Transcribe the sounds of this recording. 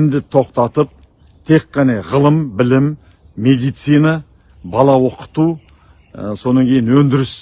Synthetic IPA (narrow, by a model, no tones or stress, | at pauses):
md̪ɪt̪ʰo̞qt̪ɑt̪əp̚ | t̪ʰe̞qːɑnɑʁəlˠəmbɪlɪmː | e̞d̪ijt̪sijnɑ | bɑlˠɑwo̞qə̥t̪u | so̞nɑŋkʲʰejɪnwɵnd̪ɪɾɪs